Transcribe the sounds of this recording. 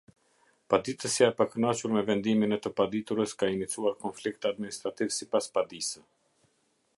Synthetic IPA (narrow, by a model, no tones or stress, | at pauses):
pad̪it̪əsjaɛpakənɔt͡ʃuɾmɛvɛnd̪iminɛt̪əpad̪it̪uɾəskainit͡suaɾkɔnflikt̪ad̪minist̪ɾat̪ivsipaspad̪isə